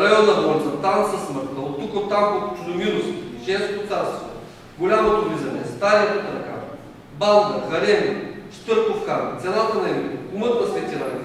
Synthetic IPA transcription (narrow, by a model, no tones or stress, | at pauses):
ɾɐjɔnːəd̪ɔnʲzɐt̪amsɐsməɾt̪əot̪ːukot̪ːamkot̪ʊ̥t͡ʃud̪omilost̪iʒɛst̪ot̪sast̪o̰ | ɡolʲamɐd̪oɾizɐnɛ̰st̪ajnɐp̪ot̪ɾɐka̰ | balˠd̪ɐɣɐlɛnʲiʃt̪ɤɾkofkant̪sʲɛnat̪ɐnɐɛkumət̪nɐsvɛt̪ʲina